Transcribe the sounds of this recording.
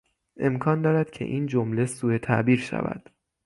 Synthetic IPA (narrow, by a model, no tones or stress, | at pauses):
ʔe̞mkʰɒːnd̪ɒːɾæd̪̥cʰe̞̰ʔiːnd͡ʒomle̞suːet̪ʰæ̰ʔbiːɾʃæ̰væ̰d̪̥